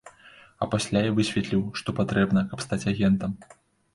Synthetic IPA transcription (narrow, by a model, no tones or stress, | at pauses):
ɐpasʲlʲajavɨsʲvʲɛt̪lʲiwʂt̪ɔpat̪ɾɛbnɐkɐpst̪at͡sʲaɣʲɛnt̪ɐm